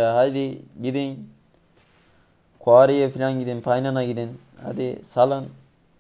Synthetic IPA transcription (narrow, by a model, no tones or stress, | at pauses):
aɦad̪iɡid̪in | kʰwaːɾijepʰilʲaŋɡid̪inpʰajnanaɡid̪in | ha̰d̪isalɯn